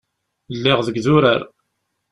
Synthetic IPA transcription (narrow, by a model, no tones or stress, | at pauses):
lːɪʁðəɡðʊɾaɾ